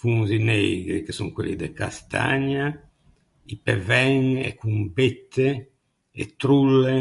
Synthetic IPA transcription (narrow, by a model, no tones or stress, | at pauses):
fuŋzinɛjɡɾikesuŋkwḛlːid̪ekast̪ʰa̰ɲa | ipevɛŋɛ̰kːumbet̪ʰːe | ḛt̪ɾulːe